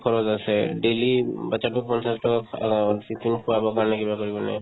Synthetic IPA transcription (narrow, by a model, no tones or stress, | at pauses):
kʰɔɹɔzasɛɖelibat͡ʃaʈɔk̚pɔnsʰasʈɔsitʰinkʰuwabɔkaɹnɛkibakɔɹibɔnɛ̰